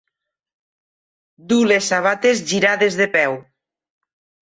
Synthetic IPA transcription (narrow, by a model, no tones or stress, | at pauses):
d̪ulesːaβat̪ezʒiɾaðezðepɛw